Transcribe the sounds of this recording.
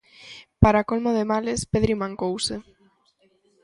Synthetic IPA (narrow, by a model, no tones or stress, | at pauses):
paɾakolmoðemalespeðɾimãŋkowse